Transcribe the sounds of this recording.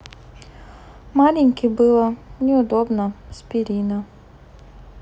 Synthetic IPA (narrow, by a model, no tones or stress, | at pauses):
mɑlʲinʲkʲɪbɪlˠɐnʲɛʊd̪ɔbnɐspʲiɾʲinɐ